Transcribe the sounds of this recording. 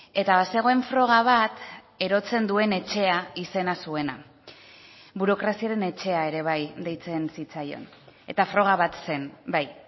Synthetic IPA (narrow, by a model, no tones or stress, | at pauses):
e̞t̪aβase̞ɣ̞o̞e̞ɱfɾo̞ɣ̞aβ̞at̪ | e̞ɾo̞t͡se̞nd̪ue̞ne̞t͡ʃe̞aise̞nasue̞na | βuɾo̞kɾasiaɾe̞ne̞t͡ʃe̞ae̞ɾe̞β̞ajd̪e̞jt͡se̞nsit͡sajo̞̰n | e̞̰t̪afɾo̞ɣ̞aβat̪se̞nbaj